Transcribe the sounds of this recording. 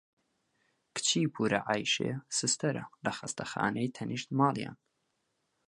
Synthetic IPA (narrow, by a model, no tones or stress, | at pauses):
kʰɨ̥t͡ʃʰiːpʰuːɾɐʔajʃḛːsɨst̪ɐɾɐ̰lɐxɐst̪ʰɐxɑ̰ːnejt̪ʰɐnʔiʃt̪maːlja̰ːn